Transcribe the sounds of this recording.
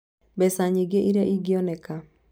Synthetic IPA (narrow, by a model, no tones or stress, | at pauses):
bɛsaɲiɡeʔiɾɛʔiɡɪɔnɛka